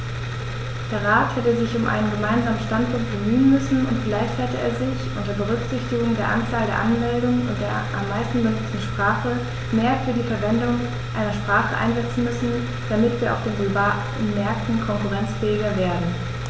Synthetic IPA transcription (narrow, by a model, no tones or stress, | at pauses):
d̥eːɐʁaːthɛtəzɪçʊmʔa̰ɪnənɡəmaɪnzaːmənʃtantpʊŋkt̚b̥əmyːənmʏsn̩ʊntɡ̥ɪlaɪçthɛtəʔḛːɐzɪçʔʊntɐbəʁ̞ʏkz̥ɪçtɪɡʊŋdeːɐʔant͡saːldeːɐʔanmɛldʊŋʊnt̚d̥eːɐʔa̰mːaɪstn̩bənʊt͡stn̩ʃpʁ̥aːχə | meːɐfyːɐdiːfɛɐvɛndʊŋ | ʔaɪnɐʃpʁ̥aːχə̰ʔa̰ɪnzɛt͡sn̩mʏsn̩ | d̥amɪtv̥iːɐaʊfd̥eːnblba | nmɛɐk̚tn̩kʰɔŋkuʁɛnt͡sfɛːɪɡɐveːɐdn̩